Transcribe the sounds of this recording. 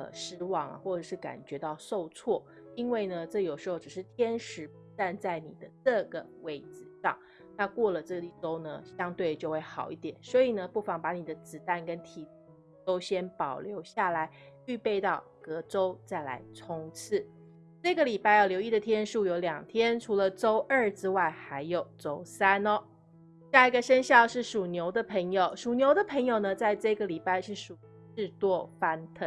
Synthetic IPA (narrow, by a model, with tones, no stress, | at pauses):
ɤ̰˨˩ʂɻ̩˥wɑ˥˩ŋɐ̰˩xwɔ˥˩ʈ͡ʂɤ˨˩ʂɻ̩˥˩ka̰˨˩nt͡ɕɥɛ˧˥t̪ɑ˥˧ʊso˥˧ʊt͡sʰwɔ˥˩ | i˥nwe˥˩ɪnə˩ʈ͡ʂɤ˥˩jo˨˩ʂɻ̩˧˥xo˧ʊʈ͡ʂɻ̩˨˩ʂɻ̩˥˩t̪ʰjɛ˥nʂɻ̩˧˥pu˧˥t͡sa˥˧nt͡sa˥˩ɪnḭ˨˩d̪ə˦ʈ͡ʂɤ˥˩ɡə˩we˥˩ɪt͡sɹ̩˥˧ʂɑ̰˥˩ŋ | na˥˧kwɔ˥˩lə˩ʈ͡ʂɤ˥˩ɡə˩i˥˩ʈ͡ʂo˥ʊnə̰˧ɕjɑ˥ŋt̪we˥˩ɪt͡ɕjo˥˧ʊxwe˥˩ɪxɑ˨˩ʊi˥˩t̪jɛ̰˨˩˦nswɔ˧˥i˨˩nə˦pu˥˩fa˧˩ŋpa˧˥ni˨˩d̪ə˦t͡sɹ̩˨˩t̪a˥˩nkə˦˥nt̪ʰi˨˩ | u˩˨˥ | t̪o˥ʊɕjɛ˥npɑ˨˩ʊljo˧˥ʊɕja˥˩la˧˦ɪ | y˥˧pe˥˧ɪt̪ɑ˥˩ʊkɤ˧˥ʈ͡ʂo˥ʊt͡sa˥˩ɪla̰˧˥ɪʈ͡ʂʰʊ˥ŋt͡s̩ʰ˥˩ | ʈ͡ʂɤ˥˩ɡə˩li˨˩pa˥˧ɪjɑ˥˩ʊljo˧˥ʊi˥˩ə˩t̪ʰjɛ˥nʂu˥˩jo˧˥ʊljɑ˨˩ŋt̪ʰjɛ˥nʈ͡ʂʰu˧˥lə˧ʈ͡ʂo˥ʊʔə˞˥˩ʈ͡ʂɻ̩˥wa˥˩ɪxa˧˥ɪjo˨˩ʊʈ͡ʂo˥ʊsa˥nɔ˧ | ɕja˥˧˩i˧˥ɡə˨ʂə˥nɕjɑ˥˧ʊʂɻ̩˥˩ʂu˨˩njo˧˥ʊd̪ə˧pʰə˧˥ŋjo˨˩ʊʂu˨˩njo˧˥ʊd̪ə˨pʰə˧˥ŋjo˨˩ʊnə˩t͡sa˥˧ɪʈ͡ʂɤ˥˩˨ɡə˩li˨˩pa˥˧ɪʂɻ̩˥˩ʂu˨˩ | ʈ͡ʂɻ̩˥˧t̪wɔ˥˩fa˥nt̪ʰə˨˩